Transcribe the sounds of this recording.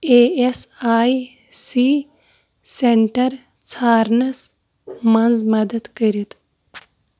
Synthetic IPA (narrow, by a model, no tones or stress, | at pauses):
eesaːi | si | seɳʈɐɾ | t͡sʰaːɾnɐs | mɐnd͡zmɐd̪əd̪kəɾit̪